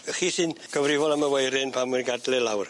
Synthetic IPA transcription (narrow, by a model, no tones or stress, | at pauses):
əχiːsɨnɡ̥ʰɔvrɪvɔlˠəməwejɾɪnpʰamɨrɡadlɪlˠawr